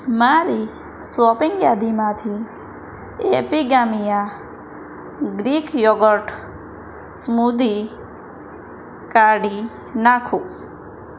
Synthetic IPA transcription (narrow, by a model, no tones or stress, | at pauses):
maɾi | swɔpɪŋɡjad̪imãt̪ʰi | epiɡamija | ɡɾikʰjɔɡəʈʰ | smud̪i | kaɽi | nakʰũ